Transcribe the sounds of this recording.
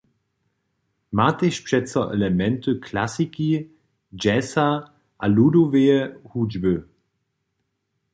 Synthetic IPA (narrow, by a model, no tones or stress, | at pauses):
mateʃpʂɛt͡sɐʔɛ̰lɛmɛntəkʰlasiki | d͡ʒɛsa | ʔaluːdoveəhuːd͡ʒbə